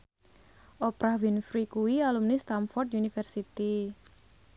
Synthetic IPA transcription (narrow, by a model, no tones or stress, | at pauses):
ʔopɾavinfɾikuwialumnist̪amfɔrt̪̚unifɛrsit̪i